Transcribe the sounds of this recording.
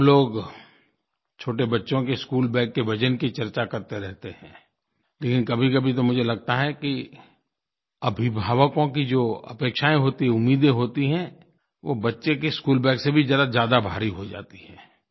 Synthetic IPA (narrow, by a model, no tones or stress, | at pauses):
loːɡ | t͡ʃʰoːʈebɐtːʃõkeɪskuːlbɛ̃ːkːebʱɐd͡ʒənkit͡ʃɐɾt͡ʃakɐɾt̪eɾɛɦt̪ehɛ̰̃ː | leːkɪ̃nkɐbʱikɐbʱit̪̬omʊd͡ʒʱelɐɡ̚t̪aɦɛki | ɐbʱibʱaːʋəkõkid͡ʒoːɐ̰peːkʃaːẽɦoːt̪iɦɛ̃ʊmːiːd̪ẽɦoːt̪iɦɛ̃ | ʋobɐtːʃekeskuːlbɛ̃ːksebʱizɐɾazjaːd̪abʱaːɾiɦod͡ʒa̰ːt̪i̥hɛ̃ː